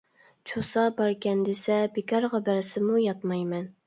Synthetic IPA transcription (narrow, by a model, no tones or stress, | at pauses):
t͡ʃʰosɑbɑɾkʲɛnd̪esɛbekʰʲɑɾʁɑbæɾsɪmujɑt̪mɑjmɛn